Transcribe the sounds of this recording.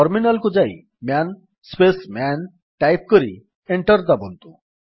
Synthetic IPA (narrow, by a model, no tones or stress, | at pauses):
ɔɾminalkud͡ʑaḭ | man | spesman | ʈajp̚kəɾḭ | eɳʈəɾd̪abɔnt̪ṵ